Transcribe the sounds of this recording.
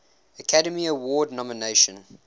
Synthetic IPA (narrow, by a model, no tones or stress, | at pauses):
əkʰaɾəmiəwɔːdⁿnɔməneɪʃə̃n